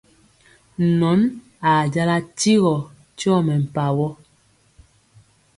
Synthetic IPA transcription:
nɔ˨˦n | a˨d͡ʒa˦la˦ti˦ɣɔ˨ | tɔ˦˨mɛ˨m̩˨pa˨wɔ˦

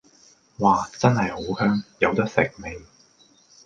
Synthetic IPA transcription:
waː˨˩t͡sɐ˥nhɐ˨jho˨˥whœː˥ŋjɐ˨˧wt̪ɐ˥k̚sɪ˨k̚me˨˩ŋ

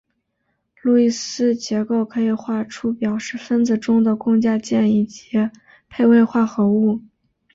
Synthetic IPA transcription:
lu˥˩i˥˩sɹ̩˥t͡ɕjɛ˧˥ko˥˩ʊkʰɤ˧˥i˨˩xwa˥˩ʈ͡ʂʰu˥pjɑ˨˩ʊʂɻ̩˥˩fə˥nd͡zɹ̩˨˩ʈ͡ʂʊ˥ŋd̪ə˨kʊ˥˧ŋt͡ɕja˥˧t͡ɕjɛ˥˧ni˥˩t͡ɕi˧˥ | pʰe˥˧ɪwe˥˧ɪxwa˥˩xɤ˧˥u˥˩

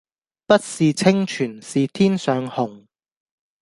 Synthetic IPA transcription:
pɐ˥t̚siː˨t͡sʰɪ˥ŋt͡ʃʰyː˨˩nsiː˨t̪ʰiː˥nsœː˨˧ŋhʊ˨˩ŋ

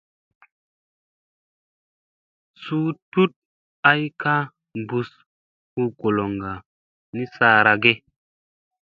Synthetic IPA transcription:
suː˦tu˦t̚ | a˦jka˦ | mbu˨s | hu˦ɡo˨lo˨ŋɡa˨ | ni˦saː˦ɾa˨ɡe˦

